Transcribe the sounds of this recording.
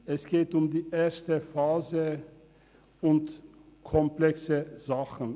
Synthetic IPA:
ɛsɡ̥eːtʊmdiːʔeːɐstəfaːzə | ʊntkʰɔmplɛksəz̥aχn̩

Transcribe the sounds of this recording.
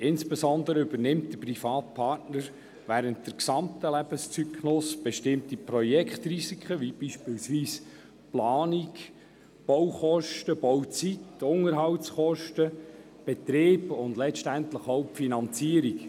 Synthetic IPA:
ɪnsb̥ɛsɔnd̪əɾəybəɾnɪmtd̥əprifɑːt̚pʰɑɾtnəɾ | ʋæːɾənt̚d̥əɾksɑmtəlæb̥əst͡sykʰnʊsb̥ɛʃtɪmt̪iprɔjɛkχt̪risikχəʋib̥iʃpiːlsʋiːs | plɑːnik | b̥ɔwχɔʃtəb̥ɔwt͡sitʊŋəɾɦɑwtsχɔʃtə | b̥ɛt̪ɾeːbʊnd̪lɛʃtæntləχowpfinɑnt͡siəɾik

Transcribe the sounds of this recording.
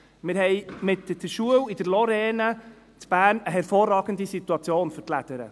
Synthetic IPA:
mɪɾɦɛjmɪtd̥əʃuəwid̥əɾlɔɾɛːnə | t͡sb̥æːɾnəɦɛɾfoːrːɑːɡənd̪isit̪uɑt͡sjoːnfʏɾtlæd̥̪əɾə̰

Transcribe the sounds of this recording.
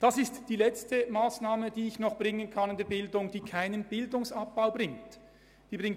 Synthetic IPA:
d̥ɑsɪstd̥iːlɛt͡stəmaːsnaːməd̥iːɪçnɔχb̥ʁɪŋənkʰɑnɪndeːɐbɪldʊŋd̥iːkʰaɪnənbɪldʊŋsɑp̚b̥aʊbʁɪŋt | d̥iːbʁɪŋ

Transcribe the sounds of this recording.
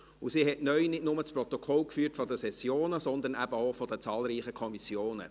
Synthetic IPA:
usiɦɛtnœʏnɪdnʊmət͡spɾɔt̪ɔkʰɔlkfyːɾtfɔd̪əsɛsjoːnəsɔnd̪ənæb̥əofɔd̥̪ət͡sɑːlɾiːχəkʰɔmisjoːnə̰

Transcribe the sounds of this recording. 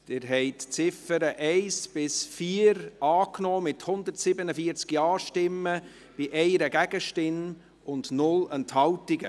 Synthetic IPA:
d̪̥ɪɾɦɛɪtt͡sɪfəɾəʔɛɪsb̥ɪsfiːəɾɑːknɔːmɪthʊnd̪əɾtsɪbənəfiəɾt͡skjɑːʃtɪmːə | b̥iʔɛɪɾəɡæɡ̥əʃtɪn | ʊndnʊlənthɑwtɪɡə̰

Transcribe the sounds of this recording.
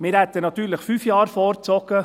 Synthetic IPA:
mɪːɾhæt̪ənɑt̪yːɾləχfyːfjɑːɾfɔɾt͡sɔɡ̥ə

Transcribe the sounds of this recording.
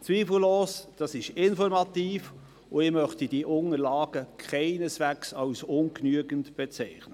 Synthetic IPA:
t͡sviːfl̩loːsd̥ɑsɪʃɪnfɔɾmɑt̪iːf | ʊɪmœχtidiʔʊŋəlɑːɡ̥əkʰχaɪnəsʋæksɑwsʊnknyəɡntb̥ɛt͡sɛɪχnə

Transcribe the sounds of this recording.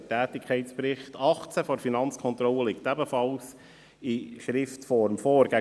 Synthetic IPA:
tæːtɪkʰχɛɪtspɾɪχtʰɑχt͡sæfoːɾfinɑnt͡skʰɔnt̪ɾɔləlɪktæbəfɑls | iʃɾɪftfɔɾmfɔːɾɡ̥æ

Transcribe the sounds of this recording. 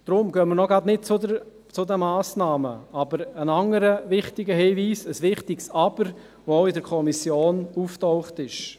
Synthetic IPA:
d̪̥ɾʊmɡ̥œːməɾnɔɡɑdnɪt̚t͡sʊdə | t͡sʊd̪əmɑːsnɑːməɑbəɾənɑŋəɾəʋɪχtɪɡəɦiːʋiːsəsʋɪχtɪksɑb̥əɾ | ʋooʊɪdəɾkʰɔmisjoːnuftɔʊχtɪʃ

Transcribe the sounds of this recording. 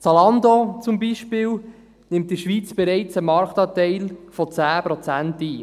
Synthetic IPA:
t͡sɑlɑnd̪ot͡sumbiʃpɪːl | nɪmt̚d̥iʃʋiːt͡sb̥ɛɾɛɪt͡səmɑɾkt̪ɑːtɛɪlfɔt͡sæːpɾot͡sæntiː

